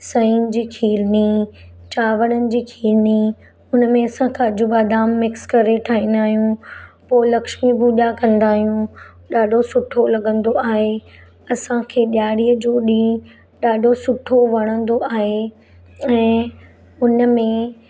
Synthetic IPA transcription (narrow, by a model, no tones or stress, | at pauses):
sɐiːnd͡ʑiːkʰiːɾni | t͡ɕaːʋəɽ̃ənɪ̆d͡ʑiːkʰiːɾni | ʊnəmẽɐsãkʰãɐd͡ʑʊbad̪aːmːɪkskɐɾeʈʰaːɦĩːn̆d̪aːɦijũpoːɪlɐkʃmibʊɗakɐ̃nd̪aːɦijũ | ɗaːɖʱosʊʈʰolɐɠə̃nd̪oaːɦe | ɐsãkʰeːɗjaːɽiːəd͡ʑoːɗĩː | ɗaːɖʱosʊʈʰoʋɐɽ̃ə̃nd̪oaːɦe | ɛ̃ː | ʊnəmẽ